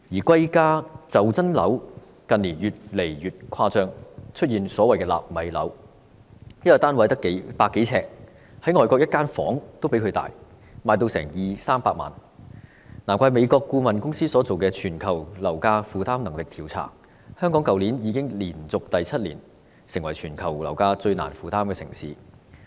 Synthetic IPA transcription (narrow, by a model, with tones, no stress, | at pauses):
jiː˨˩kwɐ˥jkaː˥t͡sɐ˨wt͡sɐ˥nlɐ̰˨˥w | kɐ˨nliː˨˩njyː˨t̚le˨˩jjyː˨t̚kʰaː˧t͡sœː˧ŋt͡ʃʰɵ˥t̚jiː˨˩nsɔː˨˥wɐ˨jkɛː˧la̰ː˨p̚mɐ˨˧jlɐ̰˨˥w | j̚t̪aː˥nwɐ˨˥jt̪ɐ˥kːe˨˥jpaː˧kːe˨˥jt͡sʰɛː˧k̚ | hɐ˨˥jŋɔː˨˩jkɔ˧k̚jɐ˥t̚kaː˥nfɔ̰ː˨˥ŋt̪o˥wpe˨˥kʰɵ˨˧t̪a̰ː˨j | maː˨˧jt̪o˧wsɛ̰ː˨˩ŋjiː˨saː˥mpaː˧k̚ma̰ː˨˩n | naː˨˩mkʷaː˧jme˨˧jkɔː˧kːuː˧mɐ˨nkʊ˥ŋsiː˥sɔː˨˧˥t͡so˨wkɛː˧t͡ʃʰyː˨˩nkʰɐ˨˩wlɐ˨˩wkaː˧fuː˨t̪aː˥mnɐ˨˩ŋlɪ˨k̚t̪ʰiː˨˩wt͡sʰa̰ː˨˩ŋ̚ | hœː˥ŋkɔː˨˥ŋkɐ˨wliː˨˥njiː˨˧kɪ˥ŋliː˨˩nt͡sʊ˨k̚t̪ɐ˨jt͡sʰɐ˥t̚lḭː˨˩n | sɪ˨˩ŋwɐ˨˩jt͡ʃʰyː˨˩nkʰɐ˨˩wlɐ̰˨˩wkaː˧t͡sɵ˧ɥna̰ː˨˩nfuː˨˧t̪aː˥mkɛː˧sɪ̰˨˩ŋsiː˨˥